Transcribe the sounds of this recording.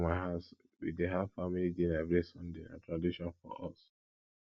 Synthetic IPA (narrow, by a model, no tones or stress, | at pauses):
maɪɦaʊs | wḭdeɦafamilidenavɹesɔ̃ndenã̰tɹadiʃɔ̃nfɔ̰ʔɔ̰s